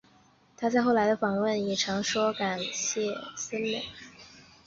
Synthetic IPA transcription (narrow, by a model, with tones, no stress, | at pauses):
t̪ʰa˥t͡sa˥˧ɪxo˥˩ʊla˧˥ɪd̪ə˧fɑ˨˩ŋwə˥˩njɛ˨˩ʈ͡ʂʰɑ˧˥ŋʂwɔ˥ka˨˩nɕjɛ˥˩sə˥nlə̰˨˩˦